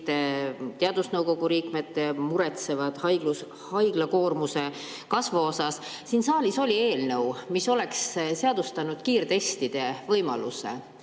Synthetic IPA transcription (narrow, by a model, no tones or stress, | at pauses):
t̪et̪eɑd̪̥usnɤwko̞ɡuɾiːkmet̪ːemuɾet̪se̞vɑd̪̥hɑjɡ̥lus | hɑjɡ̥lɑko̞ːrmuse̞ | kɑsvuosɑs | siːnsɑːlʲiso̞lʲie̞ːlnɤwmiso̞le̞ksseɑd̪ust̪ɑnud̪̥kiːrt̪e̞st̪id̪̥e̞vɤjmɑ̰lṵse̞̰